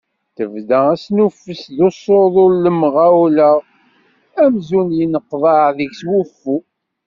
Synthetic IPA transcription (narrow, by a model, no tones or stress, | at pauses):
θəvdææsnufːəsðosˤoðˤolləmʁawləʁ | æmzunjənəqːðˤɑðəʝswufːu